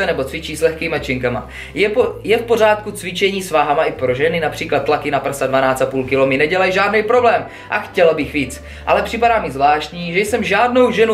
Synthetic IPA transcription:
ɛnɛbo̞t͡svɪt͡ʃiːslɛxkiːmat͡ʃɪŋkama̰ | ɛjɛfpo̞r̝aːt̪kut͡svɪt͡ʃɛɲiːsvaːɦamaʔɪpɾo̞ʒɛnɪnapr̥iːklat̪̚ːlakɪnapr̩sadvanaːt͡st̪apuːlkɪlo̞mɪnɛɟɛlajʒaːdnɛjpɾo̞blɛːm | ʔaxcɛlabɪxviːt͡s | ʔalɛpr̥ɪpadaːmɪzvlaːʃcɲiːʒɛjsɛmʒaːdno̞wʒɛnu

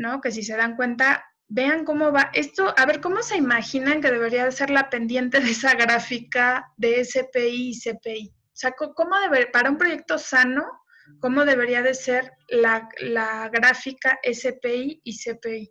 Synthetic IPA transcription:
no̞ke̞s̬is̬e̞ðaŋkwe̞nt̪̬a | be̞aŋko̞mo̞βaʔe̞st̪o̞ʔaβe̞ɾko̞mo̞se̞imaxinaŋke̞ðe̞βe̞ɾiaðe̞se̞ɾlape̞nd̪je̞nt̪e̞ðeesaɣɾafikaðe̞ːsepeiːsepei | oseakoko̞mo̞ðeβepaɾaumpɾo̞ʝe̞k̚t̪o̞sano̞ | ko̞mo̞ðe̞βe̞ɾiaðe̞se̞ɾ | lalaɣɾafikaʔesepeiisepei

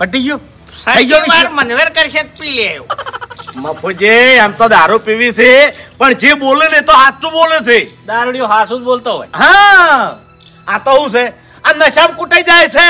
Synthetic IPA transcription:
pəʈid͡ʒjo | sad͡ʒoaɾmənʋeɾkəɾiʃək̚t̪ie | məpʰod͡ʒeamt̪od̪aːɾopiʋisʰepəɳd͡ʒebolenet̪oɦaːt̪t͡ʃũbolesed̪aːɾuɽijõɦasũd͡ʒbolt̪oɦo̰ːjɦã | ãt̪oɦũse | ãnəʃamkuʈəid͡ʒajsʰe

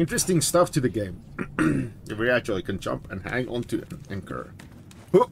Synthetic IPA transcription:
ɪ̃ntɹ̥ɨstɪ̃ŋstʌftʰɨðɨɡẽɪ̃m | ɨiɹiæk̚t͡ʃʉl̩ˠikʰɨ̃nd͡ʒʌ̰̃mpɨ̃nhæ̰̃ŋʔɔ̰̃ntʰʉ̃nɨ̃nkʰɜ̰˞ | hu

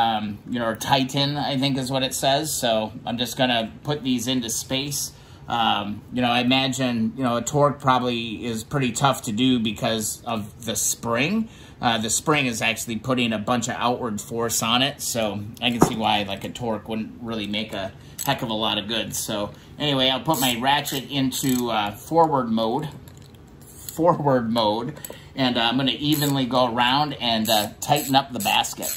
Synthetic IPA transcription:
ʌ̃mjɨnoʊɨtʰaɪʔn̩aɪθɪ̃ŋkɨzwʌɾɨtsɛz̥soʊãɪ̃md͡ʒʌsɡ̥ʌñɨpʰʊt̪̚ðizɪ̃ntʉspeɪs | ʔʌ̃mjɨñoʊaɪɨmæd͡ʒɨ̃njɨnoʊɨtʰɔɹk̚pʰɹ̥ɑbəbliɪz̥pʰɹ̥ɪɾitʰʌftʰɨdɨbɨkʰʌzʌvðɨspɹɪ̃ŋ | ʔʌðɨspɹɪ̃ŋɨzæk̚t͡ʃʉl̩ˠipʰʊɾɪ̃ŋɨbʌ̃nt͡ʃʌva̰ʊʔwə˞d̥fɔɹsn̩ɪtsoʊaɪkɨ̃n̩siwaɪlaɪkɨtʰɔɹkwʊdⁿn̩t̚ɹɪlˠimeɪkɨ | hɛkʌvəlɔɾʌvɡʊdz̥soʊ | ʔɛñiweɪaɪl̚ˠpʊt̚maɪɹæt͡ʃɨɾɪ̃ntʰʉʌfɔɹwə˞d̚moʊd | fɔɹwə˞d̚moʊd | ɨ̃nãɪ̃mɡʌnɨʔivɨ̃nliɡoʊə˞ãʊ̃ndɨ̃nʌtʰaɪʔn̩ʌp̚ðəbæ̰skɨ̰t̚

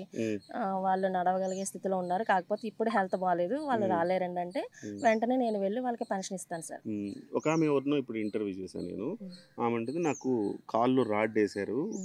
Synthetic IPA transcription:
ʋaːɭːunɐɽɐʋɐɡɐlɐɡe̞ːst̪ʰit̪ilo̞ːunːaːɾukaːkɐpo̞ːt̪e̞ːipːuɽuɦɛlt̪ʰɐbaːle̞ːd̪uʋaːɭːuɾaːleːɾɐɳɖɐɳʈe̞ːʋeɳʈɐne̞ːne̞ːnuʋe̞ɭːiʋaːɭɐkipɐnʂɐnist̪aːnusa̰ːɾɔkaːmeʋɐɾnoːipːuɽuiɳʈɐɾʋjuːt͡ʃɛːsa̰nḛːnuaːmɐɳʈɐnd̪enaːkukʰaːlːuɾaːɖeːsaːɾu

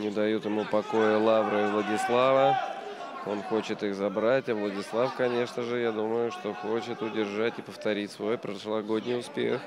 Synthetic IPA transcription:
nʲɪd̪ɐjut̪jɪmupɐko̞jəlˠavɾəɪvlˠədʲɪslˠavə | o̞nxo̞t͡ɕɪt̪ixzɐbɾatʲavlˠədʲɪslˠafkɐnʲe̞ʂnəʐɨjad̪uməjʊʂt̪o̞xot͡ɕɪt̪ʊdʲɪrʐatʲɪpəft̪ɐɾʲitʲsvojpɾəʂlˠɐɡo̞dʲnʲɪjʊspʲḛx

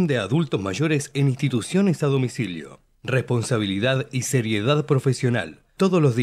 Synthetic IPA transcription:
nd̪eaðult̪ozmaʒoɾesenĩnst̪it̪usjo̞nesaðo̞misiljo̰ | respo̞nsaβ̞iliðaðiseɾjeðaðpɾofesjo̞na̰l | t̪oðoslozði

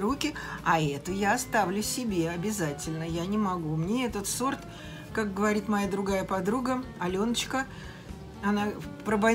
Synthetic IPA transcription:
ɾukʲɪɐɛt̪ʊjaɐst̪avlʲʊsʲɪbʲe̞ɐbʲɪzatʲɪlʲnəjanʲɪmɐɡumnʲeɛt̪ət̪so̞rt̪ | kak̚ɡəvɐɾʲit̪mɐjad̪ɾʊɡajəpɐd̪ɾuɡəɐlʲo̞nət͡ɕkə | ɐnapɾəbɐ

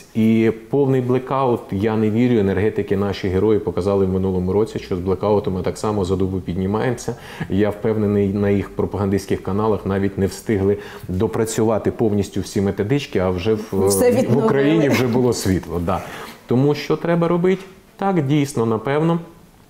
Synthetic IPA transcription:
ipɔwnɪjblˠekɑʊt̪jɑneʋʲiɾʲʊenerɦɛt̪ɪkɪnɑʃiɦeɾɔjɪpɔkɐzɑlˠɪwmɪnulˠɔmʊɾɔt͡sʲiʃt͡ʃɔzblˠekɑʊt̪ʊmɪt̪ɑksɑmɔzɐd̪ubʊpʲidʲnʲɪmɑjemsʲɐ | jawpɛwnenɪjnɐjixpɾɔpɐɦɐnd̪isʲkɪxkɐnɑlˠɐxnɑʋʲitʲnɛwst̪ɪɦlˠɪ | d̪ɔpɾɐt͡sʲʊʋɑt̪ɪpɔwnʲisʲtʲʊwsʲimet̪ɔd̪ɪt͡ʃkɪɐwʒɛwʋʊkɾɐjinʲiwʒɛbʊlˠɔsʲʋʲit̪lˠɔd̪ɑt̪ɔmuʃt͡ʃɔt̪ɾɛbɐɾɔbɪtʲ | t̪ɑkdʲijsnɔnɐpɛwnɔ

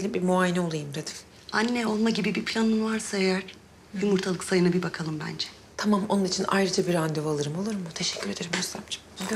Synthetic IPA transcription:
beimbimuaːjinɛo̞lˠajɯmd̪ʰad̪ʰi̥f | anːɛo̞lˠmaɟibibipʰlʲanɯnvaɾsaejæɾ̥ | jumuɾt̪ʰalˠɯk̪sajɯnabibakʰalˠɯmbæ̰nd͡ʒɛ | t̪ʰamamo̞nunit͡ʃʰinʔa̰jɾɯd͡ʒabiɾand̪evalˠɯɾɯmo̞lˠuɾumːut̪ʰeʃɛcʰːyɾe̞d̪eɾimøst̪amd͡ʒʰi̥

